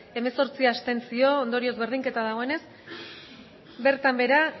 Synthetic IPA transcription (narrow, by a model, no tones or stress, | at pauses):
e̞me̞so̞ɾt͡siast̪e̞nt͡sio̞ːnd̪o̞ɾio̞zβe̞ɾð̞iŋke̞t̪aðaɣ̞o̞e̞ne̞s | be̞ɾt̪ambe̞ɾa